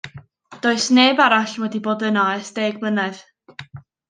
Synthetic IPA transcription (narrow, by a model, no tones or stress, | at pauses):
d̥oːɨsneːbaɾaɬwɛdiboːdənaɛsd̥eːɡblˠənɛð̥